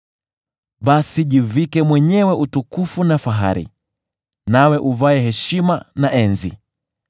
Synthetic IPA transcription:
ɓasiʄivikɛmwɛɲɛwɛʔutukufunafaɦaɾḭ | nawɛʔuvaɛhɛʃimanaʔɛnzḭ

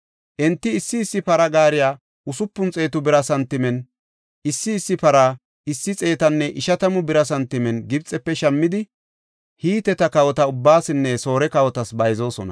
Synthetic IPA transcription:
ʔɛnt̪ːɪːsːɪːsːɪpɐɾɐɡaːɾɪjaː | ʊsʊpːʊnt͡sʼe̞ːt̪ʊbɪɾɐsɐnt̪ɪmɛn | ʔɪsːɪːsːɪpɐɾa | ɪsːɪt͡sʼe̞ːt̪ɐnːɛʔɪʃɐt̪ɐmʊbɪɾɐsɐnt̪ɪmɛnɡɪbt͡sʼɛpːɛʃɐmːɪd̪ɪ | hiːt̪ɛt̪ɐkɐwɔt̪ɐʊbːaːsɪnːɛso̞ːɾɛkɐwɔt̪ɐsbɐjzo̞ːsɔnɐ̰

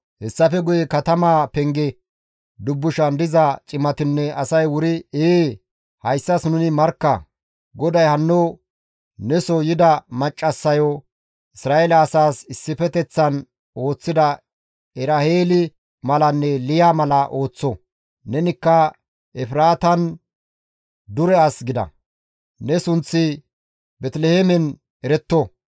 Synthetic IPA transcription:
hɛsːɐfɛɡʊjɛkɐt̪ɐmaːpɛŋɡɛ | d̪ʊbːʊʃɐnd̪ɪzɐt͡ʃʼɪmɐt̪ɪnːɛʔɐsɐjwʊɾɪe | hɐjsːɐsnʊnɪmɐɾkːɐ | ɡɔd̪ɐjhɐnːo | nɛsɔjɪd̪ɐmɐt͡ʃʼːɐsːɐjɔ | ɪsɾaːʔelɐːsaːsɪsːɪfɛt̪ɛt͡sːɐn | o̞ːt͡sːɪd̪ɐ | ɛɾaheːlɪ | mɐlɐnːɛlɪjaːmɐlɐʔo̞ːt͡sːɔ | nɛnɪkːɐ | ɛfɪɾaːt̪ɐn | d̪ʊɾɛɐsɡɪd̪ɐ̰ | nɛsʊnt͡sːɪ | bɛt̪lehemɛn | ɛɾɛt̪ːɔ

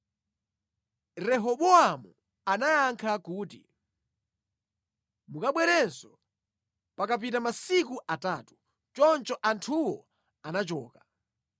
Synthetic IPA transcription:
ɾɛɦɔɓɔamu | anajaŋkʰakuːtḭ | mukaɓwɛɾɛnsɔ | pakap̬it̬amasikuʔataːtu̥ | t͡ʃɔnt͡ʃɔʔantʰuwɔ | anat͡ʃɔ̰ːka

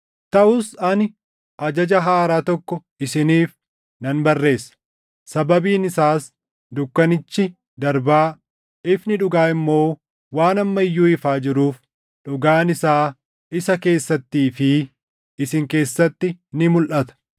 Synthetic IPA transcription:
t̪ɐʔʊsɐn | ʔɐd͡ʒɐd͡ʒɐɦaːɾaːt̪ɔkːɔ | ɪsɪniːf | nɐnbɐrːe̞ːsːɐ̥ | sɐbɐbiːnɪsaːs | d̪ʊkːɐnɪt͡ʃːɪ | d̪ɐɾbaː | ɪfnɪᶑʊɡaːɪmːo̞ː | waːnɐmːɐɪjːuːɪfaːd͡ʒɪɾuːf | ᶑʊɡaːnɪsaː | ɪsɐke̞ːsːɐt̪ːiːfɪ | sɪŋke̞ːsːɐt̪ːɪnɪmʊlʔɐt̪ɐ̥

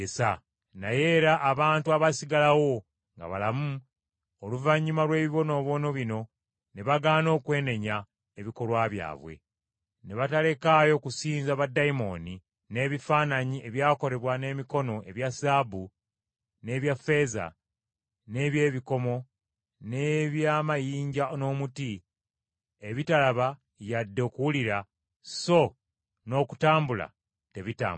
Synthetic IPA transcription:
esa | naje̞ɾaʔːβaːntuaβasiɡalawo̞ | ŋɡa̰βa̰lamu | oluvaɲːumalwe̞ːβiβo̞no̞ːβo̞no̞βino̞ | ne̞βaɡaːno̞ːkwe̞ːne̞ɲa | e̞βiko̞lwaːβja̰ːβwe̞̰ | ne̞βatale̞kaːjo̞kusiːnzaβadːaimo̞ːni | ne̞ːβifaːnaɲie̞βjaːko̞ɾe̞βwane̞ːmiko̞no̞ʔe̞βjasaːbu | ne̞ːβjafe̞ːza̰ | ne̞ːβje̞ːβiko̞mo̞ | ne̞βjaːmajiːɲɟano̞ːmuti | eβitalaβa | jadːe̞ːkuwuliɾa | so̞ | no̞ːku̥taːmbula̰ | te̞βita̰ːm

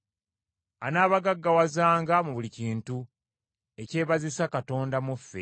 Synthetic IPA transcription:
anaːβaɡaɡːawazaːŋɡamuβuliciːntu | e̞ce̞ːβazisakato̞ːndamufːe̞

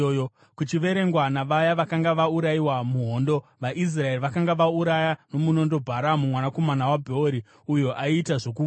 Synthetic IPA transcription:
o | kut͡ʃiʋe̞ɾe̞ŋɡwanaʋajaʋakaŋɡaʋauɾaiwamuɦo̞ːndo̞ʋaʔis̬rae̞riʋakaŋɡaʋauɾajano̞muno̞ndo̞bʱaɾamumwanako̞manawabʱeoɾi | ujoʔaitaʐok̬u

